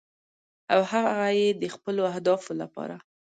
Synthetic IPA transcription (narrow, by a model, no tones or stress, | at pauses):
awhaɣɣajed̪əxpəloahd̪ɑfola̰pɑ̰ɾa